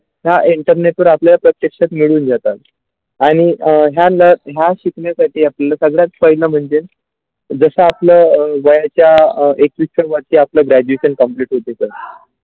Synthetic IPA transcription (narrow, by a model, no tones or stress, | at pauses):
ɦjaʔiɳʈəɾneʈuːɾapljalapɾət̪jekʂat̪miɭuːnd͡zat̪at̪̚ | aɽ̃iɦjaləɾɦjaɕikɳjasaʈʰiːaplalasəɡɭjat͡sfəjləm̤əɳd͡zen | d͡zəsəapləːʋəjat͡ɕjaek̚ʋisəɾʋaɾt͡ɕiːapləːɡɾæd͡ʑueɕənkəmpliʈɦot̪esə